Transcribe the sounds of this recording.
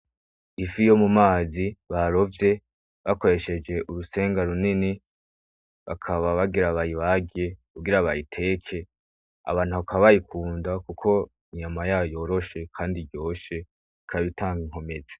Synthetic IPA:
ifijo̞mumaːziβaɾo̞vje̞ | βako̞ɾe̞ʃe̞d͡ʒe̞ʔuɾuse̞ːŋɡaɾunini | βa̰kʰaβaβaɡiɾaβajiβaɡe̞kuɡiɾaβajitʰe̞ːkʰe̞ | a̰βaːn̥huβakaβaβajikʰuːndakukʰo̞ | iɲamajaːojo̞ɾo̞ʃe̞kʰaːndiɾɟjo̞ːʃe̞ | ikʰaβitʰaːŋɡiŋho̞me̞ze̥

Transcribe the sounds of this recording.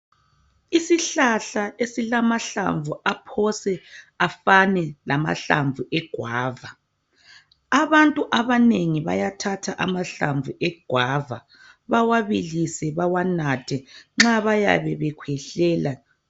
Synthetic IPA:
isiɬaɬaesilamaɬa̰ɱvuapʰɔsɛ | afanɛlama̰ɬa̰ɱvuʔɛɡ̥ʱwaːva | aβantʼuʔaβaneŋiβa̰jatʰatʰaʔamaɬaɱvuʔɛɡ̥ʱwava̰ | βawaβilisɛβawanatʰɛŋ͡ǁaβaja̰βɛβɛkʰwɛɬɛːla

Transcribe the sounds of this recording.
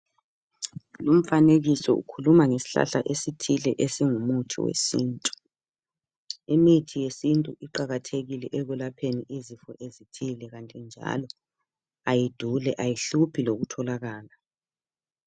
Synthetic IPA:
lum̩faneɣisɔ̰ṵkʰulumaŋesi̥ɬa̰ɬa̰ʔesitʰilɛʔesiŋumutʰḭwḛsiːntʼu̥ | imitʰijesintʼuʔiǃaɣatʰeɣilɛʔɛɣwɛlapʰeniizifɔʔezitʰilɛɣantʼɛnd͡ʒʱa̰lɔ | ajid̥ʱulɛʔajiɬupʰiloɣutʰɔlaɣaːla

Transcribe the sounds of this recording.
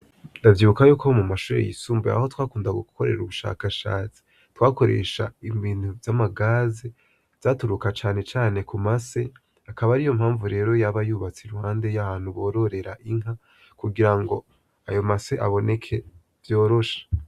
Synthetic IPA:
ndavjiːβukajuːkomumaʃuːɾḛjḭsuːmbea̰ho̞twaːkuːndaɡukoɾe̞ɾɾuβuʃa̰kaʃa̰ːt͡si̥ | twaːko̞ɾe̞̰ʃa̰imbiːn̥uvzamaɡaːze | z̥atuɾukat͡ʃaːne̞t͡ʃaːne̞kumase̞ | akaβaɾijo̞mhaːɱvuɾe̞ːɾo̞jaβajuːβat͡seɾuhaːnde̞jahaːn̥huβo̞ːɾo̞ɾe̞ɾaʔiŋ̥a | kuɡiɾaŋɡo̞ | ajo̞maseʔaβo̞ne̞kʰe̞ | vjo̞ːɾo̞ʃḁ

